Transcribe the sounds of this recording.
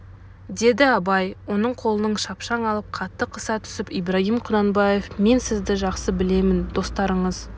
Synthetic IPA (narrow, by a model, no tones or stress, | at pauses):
d̪e̞d̪ɪɑbɑjwo̞nəɴqʰo̞lˠənəɴʃɑpʃɑɴɑlˠəp̚qʰɑt̪ːəqʰəsɑt̪ʰʏ̥sɪpijbɾɑɦimqʰʊd̪ɑnbɑje̞fme̞nsɪzd̪ɪʒɑqsəbɪle̞mɪnd̪̥o̞st̪ɑɾəɴəz